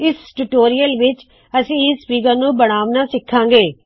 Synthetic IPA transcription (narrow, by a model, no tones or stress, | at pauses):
ɪsʈuːʈoːɾijəlʋɪt͡ʃ | əsĩːɪsːpiːk̬əɾnũːbəɽ̃aːʋnaːsɪkʰːãːŋɡeː